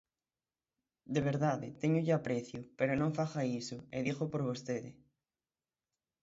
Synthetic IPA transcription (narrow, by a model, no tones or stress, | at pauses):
d̪eβ̞eɾðaðɪt̪eɲʊʎapɾeθjʊpeɾonõŋfaxaisʊeðixopoɾβost̪eðɪ